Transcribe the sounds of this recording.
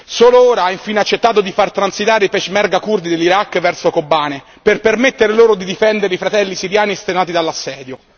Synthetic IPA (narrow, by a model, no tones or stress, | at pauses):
soːlooːɾaaiɱfiːneat͡ʃːet̪ːaːt̪od̪ifart̪ɾansit̪aːɾeipɛʃmɛrɡakurd̪id̪elːiɾakːvɛrsokobːaːne | perpermet̪ːeɾeloːɾod̪id̪ifɛnd̪eɾeifɾat̪ɛlːisiɾjaːnist̪enaːt̪id̪alːasːɛːd̪jo